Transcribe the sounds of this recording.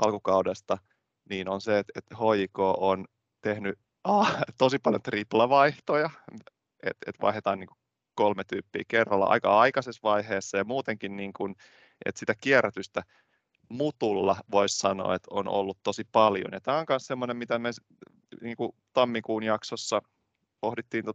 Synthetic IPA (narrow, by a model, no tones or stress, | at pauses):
ʔɑ̰lkukɑudest̪ɑ | niːnonseet̪et̪hoikoːʔon | t̪ehny | ɑt̪osipɑljont̪riplɑʋɑiht̪ojɑ | ḛt̪ḛt̪ʋɑ̰ihet̪ɑːniːŋku | kolmet̪yːpːḭːkerːɑlːɑ̰ʔɑ̰ikɑ̰ɑikɑsesʋɑiheːsːɑjɑmuːt̪eŋkinniːŋkun | ʔḛt̪sit̪ækiæræt̪yst̪æ | mut̪ulːɑʋoissɑno̰ːet̪o̰no̰lːut̪t̪osipɑljo̰njɑt̪æːoŋkɑnssemːonemmit̪æmes | niːŋkut̪ɑmːikuːnjɑksosːɑ | pohdit̪ːiːnt̪o